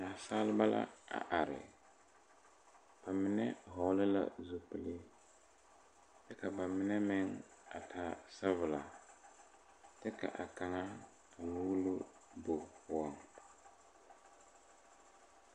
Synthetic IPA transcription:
na˨saː˦lɪ˦ba˦la̰˦a̰˨ʔa˨ɾɪ̰˨ | b̥a˨mɪ˦nɛ˦ɦɔ˨˦lɪ˦la̰˦zu˦pɪ˦lɪ˦ | dɛ˦ka˨ba˨mɪ˦nɛ˦mɪ˦ŋ | a˨tʰa˦sa˦vʊ˨la˨ | tɛ˦ka̰˨ʔa˨ka˨ŋa˦ | a˨nu˦lʊ˦ | bo˨pʊ˦ɔ˦ŋ

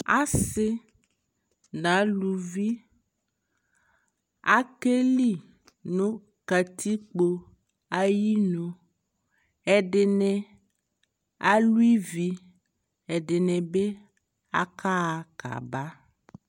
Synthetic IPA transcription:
a̰˦se˦ | nã˨˦lu˨vi˦ | a̰˦ke˦li˦ | nõ˦ | ka˨t̪ʰi˦k͡po˦ | a˦ji˦nõ˨ | ɛ˨ɖe˨nɛ̃˨ | a˦lu˦i˦vi˦ | ɛ˨ɖe˨nɛ̃˨be˦ | a̰˦kʰa˦˨ka̰˨ba˦

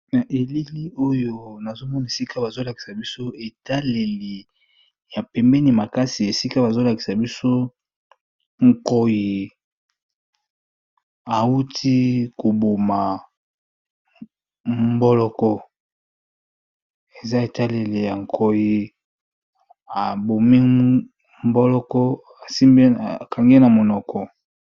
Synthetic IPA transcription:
na˨ʔe˨li˦li˦o˦jo˦na˨zo˦mɔ˦na˨e˨si˦kʰa˦ba˨zo˦la˨ki̥˨sa˨bi˦so˦e˨ta˦le˨li˨ | ja˨pɛ˨mbɛ˦ni˨ma˨ka˦si˨e˨si˦ka˦ba˨zo˦la˨ki̥˨sa˨bi˦so˦ | ŋ̩˨kɔ˨ji˨ | a˨wu˦tʰi˦ko˨bo˨ma˨ | mbɔ˦lɔ˦kɔ˦ | e˨za˦e˨ta˦le˨le˨ja˨ŋ˨kʰo˨ji˨ | a˨bo˨mi˦ | m˦bɔ˦lɔ˦kɔ˦ | a˨si˦mbe˦˨ka˨ŋɡe˦na˨mo˨nɔ˨kɔ˨

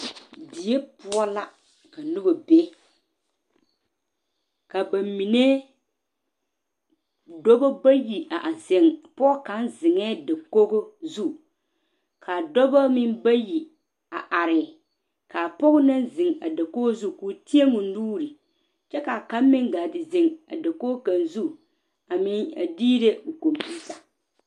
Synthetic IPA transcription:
di˨je˦pʊ˦ɔ˦la˦ | ka˨nʊ˦bo˨be˦ | ka˨ba˨mi˨ne˦ | dɔ˦bo˦ba˦ji˨a˨ʔa˨se˨ŋpɔ˦ɔ˦ka˨˦nzɪ˨ŋɛː˦da˨ko˦ɡo˦zu˦ | kʰa˨dɔ˦ba˦mɪ˦mba˦ji˨ | a˨ʔa˨ɾɪ˨ | ka˨pɔ˦ɣʊ˦na˦nzɪ˨ŋa̰˨da˨ko˦zu˦˨kuː˨ti˦e˦mu˨n̩˦duː˦ɾi˨ | t͡ʃɛ˦ka˨ka˦m˦mɪ˦ŋɡa˨dɪ˨zɪ˨ŋa̰˨da˨ko˦ka˨nzu˦ | a˨mɪ˦a̰˨diː˦ɾe˦u˨ko˨mpi˦sa˨

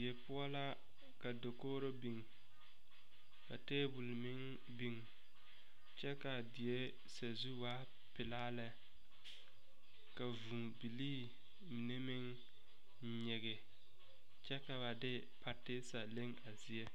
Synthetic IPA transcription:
e˨pʊ˦a˦la˦ | ka˨do˨koː˦ɾo˦bi˨ŋ | ka˨teː˦bu˨lmɪ˦ŋ | bi˦ŋ | t͡ʃɛ˦ka˨dɪ˨e˦ | sa˨zu˦waː˦ | pɪ˨laː˦lɛ˦ | ka˨vu˨ŋbi˨liː˦ | mi˨ne˦mɪ˦ŋ | ɲɛ˨ɣɪ˨ | t͡ʃɛ˦ka˨βa˨dɪ˦ | pa˦tːɪ˦sa˨le˦ŋa˨zɪ˨e˦

